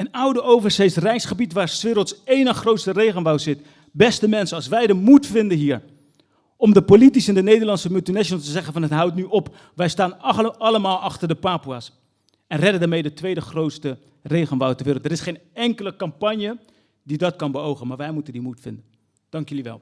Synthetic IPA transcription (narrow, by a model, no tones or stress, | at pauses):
ənʌwdəowvəɹsejsrɛjsχəbitʋaːɹsʋɪɾlˠtsejnənχrowtstərejχənʋɑwzɪt | bɛstəmɛnsənɑlˠs̬ʋɛjdəmutfɪndənɦiːɹ | ɔmdəpolitisɛndənejdəɹlɑnsəmʏlˠtinɛʃnlˠtəzɛχənvɑnətɦʌwtnyʔɔp | ʋɛjstaːnɑləmaːlˠɑχtəɹdəpaːpuaːs | ɛnrɛdəndaːɹmejdətʋejdəχrowtstə | rejχənʋawtəɹʋɪːrəlˠtəɾɪsχejnɛŋkələkɑmpɑɲjə | didɑtkɑnbəowχənmaːɹʋɛjmutəndimutfɪ̰ndən | d̥ɑŋkjəliʋɛ̰lˠ